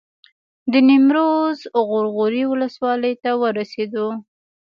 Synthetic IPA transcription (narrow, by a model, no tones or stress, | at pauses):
d̪ənɪmɾozʊɣʊɾɣʊɾiwʊləswɑləjt̪awəɾased̪o